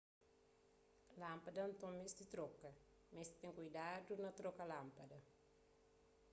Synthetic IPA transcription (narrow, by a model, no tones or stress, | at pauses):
lãmpɐdɐnt̪õmesd̪it̪ɾokɐ | mest̪ẽŋkujdadunɐt̪ɾokɐlãmpɐdɐ